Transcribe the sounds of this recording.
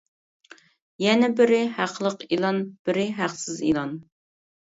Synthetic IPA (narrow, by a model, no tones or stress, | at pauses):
jɛnɛbɪɾɪhæqʰlˠəqilˠɑnb̥ɪɾɪɦæqsɪzḭlˠɑn